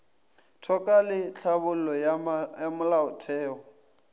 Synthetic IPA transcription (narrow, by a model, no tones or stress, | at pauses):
tʰɔkʼalɪt͡ɬʰaβʊl̩lɔjamʊlaʊtʰɛːɔ